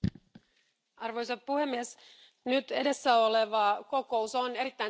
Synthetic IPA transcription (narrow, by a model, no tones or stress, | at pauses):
ɑrʋo̞jsɑt̪̚puhe̞mːies | nyt̪e̞de̞sːæo̞le̞ʋɑko̞ko̞uso̞ne̞ɾit̪ːæ